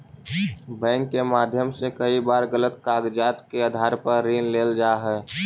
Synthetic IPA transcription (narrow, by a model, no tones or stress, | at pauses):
bɛ̃ːŋkːemaːd̪ʱjəmsekəibaːɾɣələt̪kaːɡd͡ʒaːt̪keəd̪ʱaːɾpəɾːiːnleːld͡ʒaːɦɛː